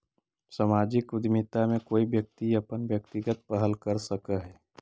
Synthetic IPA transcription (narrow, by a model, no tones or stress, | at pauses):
səmaːd͡ʒɪkʊd̪mit̪amẽkoːiʋjək̚t̪iɐpənʋjəkt̪ɪɡət̪̚pəɦəlkəɾsəkəɦɛː